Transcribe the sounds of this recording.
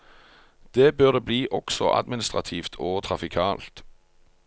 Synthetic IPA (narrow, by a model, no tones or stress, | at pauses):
d̪̥eːbøːʁd̪eːbliːʔɔksɔ̰ʔɑ̰d̪mɪnɪst̪ʁɑt̪ʰiːft̪ʰoːt̪ʰʁɑfɪkʰɑːlt̪